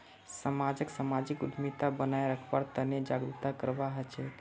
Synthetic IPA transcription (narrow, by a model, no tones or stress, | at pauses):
səmad͡ʒəksəmad͡ʒikud̪ʱmit̪abənajɾəkʰbaɾt̪əned͡ʒaɡɾut̪akəɾbaɦət͡ʃʰɛt̪